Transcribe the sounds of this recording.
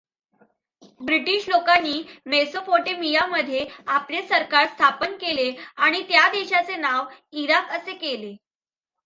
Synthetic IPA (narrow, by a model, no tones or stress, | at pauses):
bɾiʈiɕlokanːiːmesopoʈemijaməd̪ʱːjeaplesəɾkaɾst̪ʰapənkeleaɽ̃it̪jad̪eɕat͡senaʋiɾakəsekele